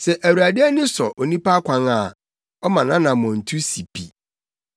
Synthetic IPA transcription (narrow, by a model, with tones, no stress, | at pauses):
sɛ˨ʔæ˨wu˨a˨dɪ˦ɛ˦nɪ̃˦sɔ˨ʔo˨nĩ˦pa˦kʷʰã˦ŋa˨ | ɔ˦mã˨nã˦nã˨mɔ̃˨n̩˨tʰu˦si˨pʰi˨